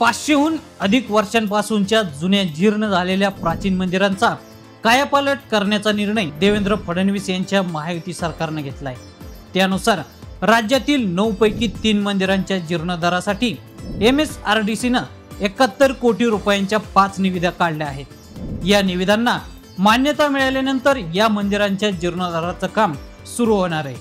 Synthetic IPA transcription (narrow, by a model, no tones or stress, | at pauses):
pat͡sɕeɦuːn | əd̪ʱikʋəɾɕanpasuɲt͡ɕjad͡zunjad͡ʑiɾɳəd͡zʱaleljapɾat͡ɕiːnmənd̪iɾant͡sa | kajapaləʈkəɾɳjat͡saniɾɳəjd̪eʋend̪ɾəpʰəɽənʋisjaɲt͡ɕjaməɦajot̪iːsəɾkaɾnaɡʱet̪laje | t̪janusaɾɾad͡ʑjat̪iːlnəwpəjkiːt̪iːnmənd̪iɾaɲt͡ɕjad͡ʑiɾɳəd̪aɾasaʈiː | emesaɾɖisinə | ekat̪ːəɾkoʈiːɾupajaɲt͡ɕjapat͡sniʋid̪ʱakaɽljaaɦet̪ | janiʋid̪ʱanːa | manjət̪amiɭajljanənt̪əɾjamənd̪iɾaɲt͡ɕjad͡ʑiɾɳəd̪aɾat͡səkam | suɾuɦoɽ̃aɾəe